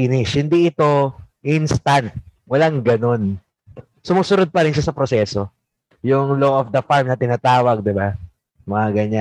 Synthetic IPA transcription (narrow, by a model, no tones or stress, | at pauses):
nɪʃhɪnd̪iʔɪt̪o̞ʔinst̪ɐnt̪̚wɐlaŋɡɐno̞n | sʊmuːsʊnod̪̚pɐɾɪnʃasɐpɾosɛːso̞ | jʊŋloːʔofd̪ɐfaɹmnɐt̪ɪnaːt̪aːwɐɡ̚d̪ɪba | mɐŋɐɡɐɲa